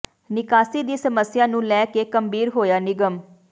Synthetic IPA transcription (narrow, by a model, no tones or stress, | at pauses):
nɪkaːsiːd̪iːsəməsɪjãːnũːlɛːkeːkəmbiːɾɦoːjaːnɪɡəm